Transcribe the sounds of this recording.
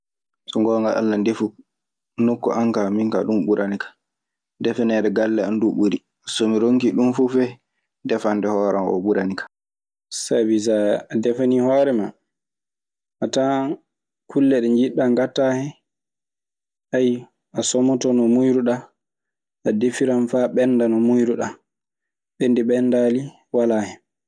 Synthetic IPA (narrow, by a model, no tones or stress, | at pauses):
sɔŋɡɔːŋɡaʔa̰lːandefu | nokːɔ̰ʔaŋkamiŋka̰ɗumɓuɾʔanikḁ | dɛfɛnɛɾɛɡalːɛanduɓuɾi | asomiɾoŋkiɗumfufɛ | dɛfanːdɛhɔːɾanʔɔ̰ɓuɾʔanikḁ | sabizaadɛfanihɔːɾɛma | ʔata | kʰulːɛɗɛnd͡ʒiɗːaŋɡatːahɛ | ʔaj | ʔasɔmɔtɔnɔmujɾuɗa | ʔadefiɾamfaɓɛnːdanɔmujɾuɗa | ɓendiɓɛndali | walaːhɛ